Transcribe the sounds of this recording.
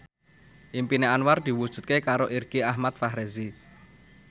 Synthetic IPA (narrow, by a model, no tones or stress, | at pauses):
ʔimpineanward̪̥i̤wud̥ʒ̥ṳt̪̚kekaɾoʔirɡ̥eahmat̪̚faɦɾezi